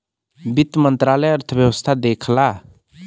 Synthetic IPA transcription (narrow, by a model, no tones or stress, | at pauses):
bit̪mənt̪ɾalɛjəɾt̪ʰəbjəwəst̪ʰad̪eːkʰla